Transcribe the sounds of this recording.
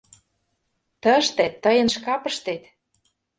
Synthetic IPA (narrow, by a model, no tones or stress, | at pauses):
t̪ə̆ʃt̪et̪ːɤjə̆nʃkɑpə̆ʃt̪et̪